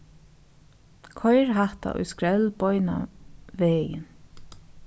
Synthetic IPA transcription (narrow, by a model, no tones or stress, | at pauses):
kʰɔjɹɦaht̪a̰ʔʊ̰jskɹɛlbɔʏna̰ʋeːjɪ̰n